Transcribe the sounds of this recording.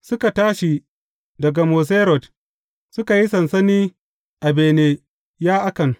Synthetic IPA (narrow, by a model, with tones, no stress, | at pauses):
sʊ˦ka˨taː˦ʃi˨ | dɐ˨ɡa˨moː˨s̬e˦ɾɔ˨t | sʊ˦ka˨ji˦sɐ˨nsɐ˦niː˦ | ʔa˨beː˨neː˦ | jaː˦ʔa˦kɐ˨n